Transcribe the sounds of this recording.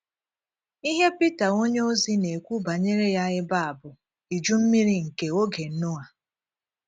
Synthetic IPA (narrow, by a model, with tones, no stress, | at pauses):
i˦ɦe˦pi˦ta˨ŋo˦ɲe˦o˦zi˦ne˨kʷu˦ba˨ɲe˦ɾe˦ja˦ɣɪ˦ba˦a˨bʊ˨ | i˨d͡ʒu˦m̩˦mi˦ɾi˦ŋ̩˨ke˨o˦ɡe˨n̩˦nʊ˦ŋa˨